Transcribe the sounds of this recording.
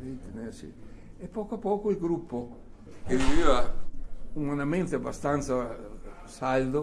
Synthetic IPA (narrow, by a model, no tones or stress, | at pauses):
it̪enesḭepːɔːkoapːɔːkoilɡɾupːo | keviviːva | umanament̪eabːa̰st̪ant̪sa | sald̪o